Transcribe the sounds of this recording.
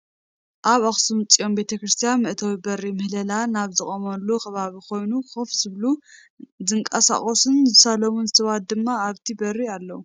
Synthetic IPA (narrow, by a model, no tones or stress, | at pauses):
ʔaβaxsumɨt͡sʼijo̞mbe̞t̪ʰɐkɾɨst̪ʰijanmɨʔt̪ʰawibɐrːimɨhlɐlanaβzɨkʼomɐlːukʰɐβaβikʰo̞jnuxofz̥ɨβlu | zɨŋkʼɐsa̰χʼosɨnzɨsalomunzɨt̪ʰɐβat̪̚d̪ɨmːaːβt̪ʰibɐrialːɐwu